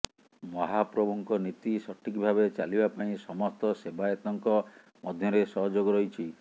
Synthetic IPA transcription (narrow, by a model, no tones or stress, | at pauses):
mɔɦapɾɔbɔŋkɔnit̪isɔʈʰikbʱabet͡ʃalibapaĩsɔmɔst̪ɔsebajɔt̪ɔŋkɔ | mɔd̪ʱjɔɾesɔɦɔd͡ʒoɡɔɾɔɦit͡ʃʰi